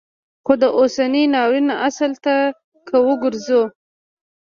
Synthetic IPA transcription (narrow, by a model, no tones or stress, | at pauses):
xod̪əʔosaninɑwinaʔasəlt̪a | kʰəwəɡʊɾzo